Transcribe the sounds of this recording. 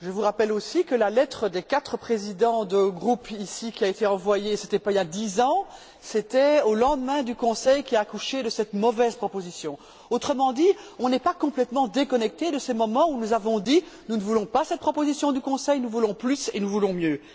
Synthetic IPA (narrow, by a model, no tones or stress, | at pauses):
ʒəvuʁapɛlosikəlalɛt̪χəd̪ekat̪χəpχezid̪ɑ̃d̪əɡʁupisikʲiaet̪eɑ̃vwajesɛt̪ɛpailjad̪izɑ̃ | sɛt̪ɛolɑ̃d̪mɛ̃d̪ykɔ̃sɛjkʲiaːkuʃed̪əsɛt̪mɔvɛzpχɔpozisjɔ̃ | ot̪χəmɑ̃d̪iɔ̃nɛpakɔ̃plɛt̪mɑ̃d̪ekɔnɛk̚t̪ed̪əsɛmɔmɑ̃unuzavɔ̃d̪inunəvulɔ̃pasɛt̪̚pχɔpozisjɔ̃d̪ykɔ̃sɛjnuvulɔ̃plysḛnuvulɔ̃mjø